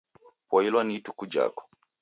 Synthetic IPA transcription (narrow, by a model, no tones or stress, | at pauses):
pɔilwanitukud͡ʒa̰kɔ̥